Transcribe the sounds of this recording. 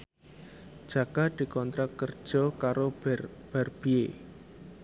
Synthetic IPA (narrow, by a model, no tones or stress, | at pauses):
d̥ʒ̥ä̤kad̪̥i̤kɔnt̪ɾakərd̥ʒ̥ɔ̤kaɾob̥arb̥ie